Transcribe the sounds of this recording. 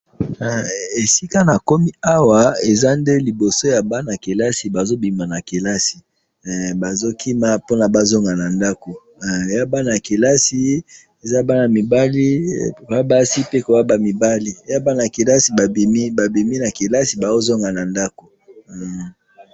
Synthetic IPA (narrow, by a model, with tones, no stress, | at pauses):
e˨si˦ka˦na˨ko˦mi˦a˦wa˨e˨za˦nde˦li˨bo˨so˦ja˨ba˦na˨ke˨la˦si˨ba˨zo˦bi˨ma˨na˨ke˨la˦si̥˨ | ba˨zo˦kʰi˦ma˦po˦na˨ba˦zo˦ŋɡa˨na˨nda˦ko˨ | ja˦ba˦na˨ke˨la˦si˦ | e˨za˦ba˦na˨mi˨ba˦li˦˨a˦ba˦si˦pe˦ko˨ba˦ba˨mi˨ba˦li˦ja˦ba˦na˨ke˨la˦si˨ba˨bi˨mi˦ba˨bi˨mi˦na˨ke˨la˦si˨ba˨zo˦zo˦ŋɡa˨na˨nda˦ko˨